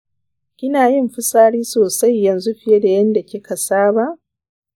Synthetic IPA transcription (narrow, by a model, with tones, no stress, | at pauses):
kʲɪ˦naː˨jɪ˦mɸɪ˦saː˦ɽiː˦soː˨sa˦jːɐ˨nzu˦ɸɪ˦je˦da˨jɐ˦nda˨kʲɪ˦kʰa˨saː˦ba˦˨ʔ